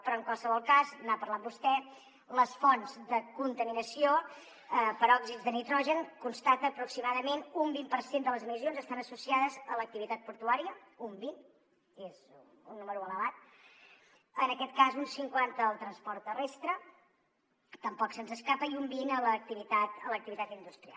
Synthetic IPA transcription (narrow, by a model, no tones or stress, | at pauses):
pɾɔəŋkwalˠsəβɔlˠkaznapəɾlambust̪ɛ | ləsfɔnzd̪əkunt̪əminəsio | əpəɾɔɡzizðənit̪ɾɔʒənkunst̪at̪əːpɾuksimaðəmenumbimpəɾsend̪ələzəmizionzəst̪anəsusiaðəzələk̚t̪iβit̪at̪̚puɾt̪uaɾiə | umbin | ez | unːuməɾuələβat̪̚ | ənəkɛt̪̚kazunsiŋkwant̪əːlˠt̪ɾənspɔɾt̪ːərest̪ɾə | t̪əmpɔksənzəskapəiumbinələk̚t̪iβit̪at̪ələk̚t̪iβit̪at̪ind̪ust̪ɾia̰lˠ